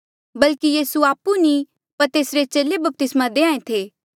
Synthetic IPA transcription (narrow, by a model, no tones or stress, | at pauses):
bɐlkijiːsuaːpːunĩ | pɐɾt̪eːsɾet͡ʃeːlebɐp̚t̪ɪsmãd̪eːãːẽt̪ʰeː